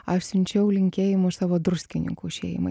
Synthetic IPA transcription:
ɐʃsʲʊnʲt͡ʃʲɛʊlʲɪŋʲkʲeːjɪmʊʃsɑːʋoːd̪ɾʊsʲkʲɪnʲɪ̰ŋkuɪʃʲḛːjɪ̰mɐ̰ɪ

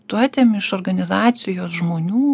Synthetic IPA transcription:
t̪ʊɑt̪ʲeːmɪʃoːɾɡɐnʲɪzɑːt̪sʲɪjoːsʒmoːnʲuː

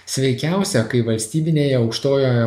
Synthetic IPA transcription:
sʲʋʲɛɪkʲæˑʊsʲɛkɐɪʋɐlʲsʲt̪ʲiːbʲɪnʲeːjɛɒʊkʃt̪oːjoːjɛ

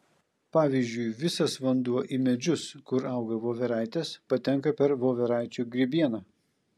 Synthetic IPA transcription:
pɑːʋʲiːzʲd͡ʒʲʊɪʋʲɪsɐsʋɐnd̪uɔʔimʲɛd͡ʒʲʊskʊɾɐˑʊɡɐʋoːʋʲɛɾɑɪt̪ʲɛspɐt̪ʲɛŋˑkɐpʲɛɾʋoːʋʲɛɾɑˑɪt͡ʃʲuːɡɾʲɪbʲiɛnɐː

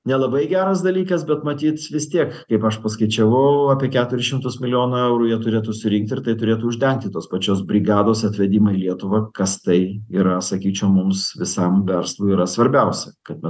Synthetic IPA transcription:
nʲɛlˠɐbɐɪɡʲæːɾɐsd̪ɐlʲiːkɐsbʲɛt̪mɐt̪ʲiːt̪ʋʲɪst̪ʲiɛkkɐɪpɐʃpɐskɐɪt͡ʃʲɛʋɐʊɑːpʲiɛkʲæːt̪ʊɾʲɪʃʲɪmt̪ʊsmʲɪlʲɪjoːnɐɛʊɾuːjiɛt̪ʊɾʲeːt̪ʊsʊɾʲɪŋk̚t̪ʲɪɾt̪ɐɪt̪ʊɾʲeːt̪ʊʊʒʲd̪ʲɛŋk̚t̪ʲɪt̪oːspɐt͡ʃʲoːsbʲɾʲɪɡɑːd̪oːsɐt̪ʲʋʲɛd̪ʲiːmɐilʲiɛt̪ʊʋɐkɐst̪ɐɪiːɾɐsɐkʲiːt͡ʃʲɛʊmʊmsʋʲɪsɐmʋʲɛɾslˠuːiɾɐsʋɐɾʲbʲɛʊsʲɛkɐt̪mʲɛ

